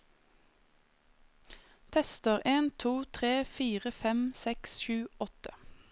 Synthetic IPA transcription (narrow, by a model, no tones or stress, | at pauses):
t̪ʰɛst̪əʁʔeːnt̪ʰuːt̪ʰʁeːfiːʁəfɛmsɛksʃʉːɔt̪ə̥